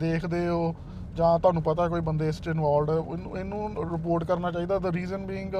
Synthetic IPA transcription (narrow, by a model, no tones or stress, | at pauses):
d̪eːkʰd̪eːoː | d͡ʒãːt̪ʊɦaːnũːpət̪aːɛkoːiːbənd̪eːɪsʈɪnʋaːlɖɪnːɪnũːɾɪp̬oːɾʈkəɾnaːt͡ʃaːiːd̪aːd̪əɾiːzənbiːɪŋɡ